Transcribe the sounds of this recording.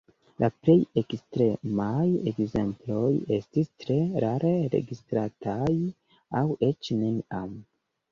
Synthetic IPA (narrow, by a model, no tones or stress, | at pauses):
lʔaple̞jekstɾe̞majekze̞mplo̞je̞stistɾe̞ɾaɾʔe̞ɾe̞̰ɡistɾataj | awe̞t͡ʃneniam